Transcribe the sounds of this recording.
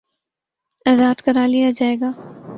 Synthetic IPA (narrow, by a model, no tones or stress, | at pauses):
ɐzaːt̪kɐɾaːlijad͡ʒaːeːɡaː